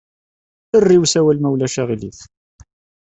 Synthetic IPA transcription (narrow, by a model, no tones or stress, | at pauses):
ərːiwsæwælmæwlæʃæʁiliθ